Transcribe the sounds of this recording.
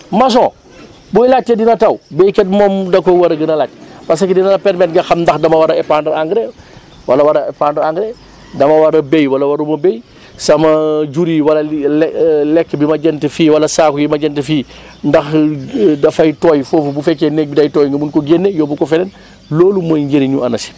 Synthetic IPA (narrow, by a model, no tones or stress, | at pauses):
mɐs̬ɔ̃ː | bɔjlatːedinɐtɐwbɛjkɛt̚mɔːmdɐkɔjwɐɾɐɡɐnɐlatpɐs̬ɐkidinɐlɐpɛɾmɛtŋɡɐxɐmndɐxdɐmɐwaɾɐɛpandɐɾaŋɡɾe | wɐlɐwaɾɐɛpandɐɾaŋɡɾe | dɐmɐwɐɾɐbejwɐlɐwɐɾumɐbej | sɐmɐɟuɾiwɐlɐllɛkːbimɐɟɛntəfiːwɐlɐsaːkujimɐɟɛntəfiː | ndɐxdɐfɐjtɔːjfoːfubufɛkːenɛk̚bidɐjtɔːjŋɡɐmunkɔɡenːejɔːbukɔfɛnɛn | loːlumɐɲɟeɾiɲuɐnɐsi̥